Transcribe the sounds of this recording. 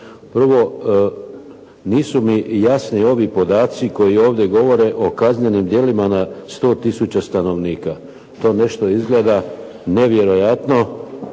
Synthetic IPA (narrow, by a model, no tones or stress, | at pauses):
pr̩ʋo̞ | niːsumijasnio̞ʋipo̞d̪aːt̪siko̞jio̞ːʋd̪ʲje̞ɡo̞ʋo̞ɾe̞ʔo̞kazɲe̞nimd̪je̞limanast̪o̞ːt̪isut͡ɕast̪ano̞ʋniːka | t̪o̞ːne̞ʃt̪o̞izɡle̞ːd̪a | ne̞ʋje̞ɾo̞jat̪no̞